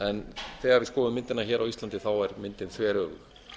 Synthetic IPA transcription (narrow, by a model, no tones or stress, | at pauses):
ɛnθɛːɣaɾvɪðskɔːðʏmːɪnt̪ɪnaçɛːɾawist̪lant̪ɪθawɛɾmɪnt̪ɪnθvɛːɾœːɣʏ̰